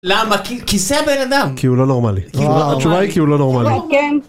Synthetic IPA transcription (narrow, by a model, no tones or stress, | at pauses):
lamakikiseabe̞nad̪amkiulo̞no̞ʁmaliat͡ʃuvaat͡ʃuvaikiulo̞no̞ʁmaliken